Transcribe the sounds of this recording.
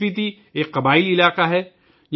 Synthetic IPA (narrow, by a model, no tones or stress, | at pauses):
it̪̬i | eːkːɐbaːɪlɪlaːqaɦɛ | j